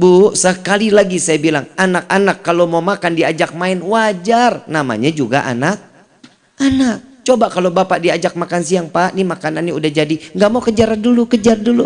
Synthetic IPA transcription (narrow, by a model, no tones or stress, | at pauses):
busəkalilaɡisajabilaŋanak̚anakːalomawmakandiad͡ʒak̚maɪnwad͡ʒarnama̰ɲad͡ʒuɡa̰ʔa̰nak̚ | anak̚t͡ʃobaʔkalobapaʔdiad͡ʒak̚makansiaŋpaʔnimakananːiudahd͡ʒadiŋɡamaukəd͡ʒaɾandulukəd͡ʒardulu